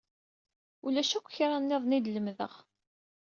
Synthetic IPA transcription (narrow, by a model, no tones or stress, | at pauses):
ulæʃækʷːçɾˤɑnːɪðˤnid̪ləmðə̰ʁ